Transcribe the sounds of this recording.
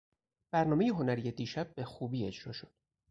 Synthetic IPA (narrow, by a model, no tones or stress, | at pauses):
b̥æɾnɒːme̞jeɦo̞næɾije̞d̪iːʃæb̚ːe̞xuːbiːe̞d͡ʒɾɒːʃo̞d̪̥